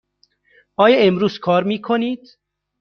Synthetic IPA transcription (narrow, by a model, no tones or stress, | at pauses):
ʔɒːjɒːemɾuːz̥kʰɒːɾmiːkʰoniːd̪̥